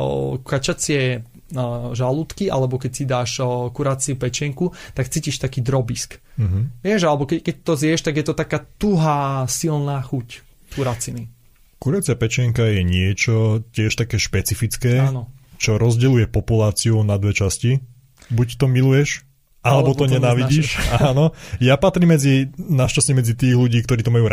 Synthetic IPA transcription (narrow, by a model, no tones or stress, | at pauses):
kat͡ʃat͡sɪɛ | ʒalut̪kiʔa̰lɛbɔkɛcsid̪aːʃkuɾat͡siupɛt͡ʃɪɛŋkut̪akt͡siːciʃt̪akiːd̪ɾɔbiskm̩ɦ̩ʋɪɛʒalɛbɔkɛkɛc̚t̪ɔzɪɛʃt̪aɡjɛt̪ɔt̪akaːt̪uɦaːsilnaːxuc | t̪uɾat͡sini | kuɾat͡sɪapɛt͡ʃɪɛŋkajɛɲɪɛt͡ʃɔcɪɛʃt̪akɛːʃpɛt͡sifit͡skɛːnɔt͡ʃɔɾɔzɟɛlujɛpɔpulaːt͡siunad̪ʋɛt͡ʃasci | buct̪ɔmilujɛʃ | ʔalɛbɔt̪ɔɲɛnaːʋiɟiːʃaːnɔjapat̪ɾiːmːɛd͡zinaʃcasɲɛmɛd͡zit̪iːɣluɟiːkt̪ɔɾiːt̪ɔmajuːɾ